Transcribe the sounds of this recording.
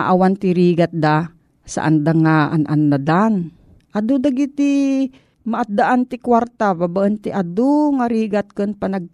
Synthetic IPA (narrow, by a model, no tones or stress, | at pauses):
aʔawant̪ɪɾiːɡat̪̚d̪a | sa̰ʔa̰nd̪aŋaʔanʔanːad̪an | ʔad̪ud̪aɡit̪i | maʔat̪̚d̪aʔant̪ɪkwaɾt̪ababaʔənt̪ɪʔad̪uŋaɾiːɡat̪̚kɨnpanaɡ̚